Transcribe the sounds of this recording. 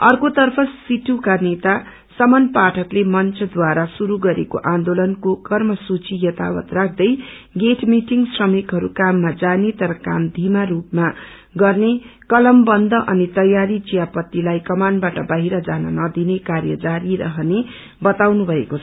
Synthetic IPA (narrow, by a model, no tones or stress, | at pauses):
ʌrkot̪ʌrpʰʌsiʈukanet̪a | sʌmʌnpaʈʰʌklemʌnt͡sʰʌd̪waɾasuɾuɡʌɾḛko̰ʔãnd̪olʌnkokʌrmʌsut͡sijʌt̪awʌt̪rak̚ʰd̪ʌj | ɡeʈʰmiʈiŋsrʌmikɦʌɾukamːad͡zanet̪ʌɾʌkamd̪ʱimaɾupma | ɡʌrnekʌlʌmbʌnd̪ʱʌʔʌnit̪ʌjaɾit͡sijapʌt̪ːilajkʌmanbaʈʌbaɦiɾʌd͡zanʌ̰nʌd̪inekaɾjʌd͡zaɾiɾʌ̰ɦʌne | bʌt̪awnubʱʌekot͡sʰʌ